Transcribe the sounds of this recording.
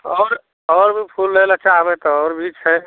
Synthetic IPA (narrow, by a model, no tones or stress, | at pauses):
ɔːɾ | ɔːɾbʱipʰulːelat͡ʃaɦbet̪ɔɔːɾbʱit͡ʃʰɛ